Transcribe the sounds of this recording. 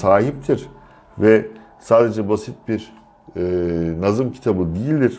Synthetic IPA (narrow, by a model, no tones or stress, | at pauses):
saːɦip̚t̪ʰiɾ̥ | vɛ | saːd̪e̞d͡ʒɛbasit̪̚biɾ | nazɯmcʰi̥t̪ʰabɯd̪ijilʲd̪iɾ̥